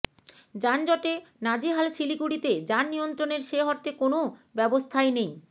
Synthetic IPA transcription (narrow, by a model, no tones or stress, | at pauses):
d͡ʑand͡ʑɔʈenad͡ʑiɦalʃilikuɽit̪ed͡ʑanːijont̪ɾoneɾʃeɦɔɾ̚t̪ekonobɛbost̪ʰaenej